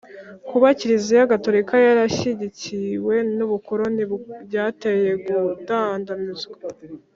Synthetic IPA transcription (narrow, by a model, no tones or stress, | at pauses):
kuβaciɾizijaɡatoɾikajaɾaʃiɟiciwe̞nuβukoɾoniɟaːteje̞ɡudandanizɡe